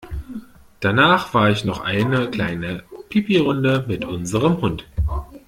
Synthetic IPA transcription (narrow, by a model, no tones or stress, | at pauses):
d̥anaːχv̥aːɐɪçnɔχʔa̰ɪnəkl̥aɪnəpʰɪpiʁʊndəmɪtʔʊnzəʁ̞əmhʊnt